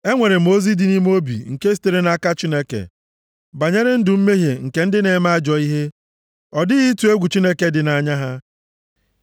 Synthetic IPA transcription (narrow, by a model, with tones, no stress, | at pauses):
e˦ŋʷe˨ɾe˨mo˦zi˦dɪ˦ni˦m˦o˦bḭ˨ŋ̩˨ke˦si̥˨˦te˨ɾe˦na˦ka˦t͡ʃi˦ne˦kḛ˨ | ba˨ɲe˦ɾɪ˦n̩˦dʊ˨m̩˦me˦ɦje˨ŋ̩˨ke˨˦n̩˦dɪ˦ne˨˦ma˦d͡ʒɔ˨i˦ɦe˦ | ɔ˨dɪ˦ɣi˦tu˨e˦ɡʷu˨t͡ʃi˦ne˦ke˦dɪ˨na˨ɲa˦ɦa˦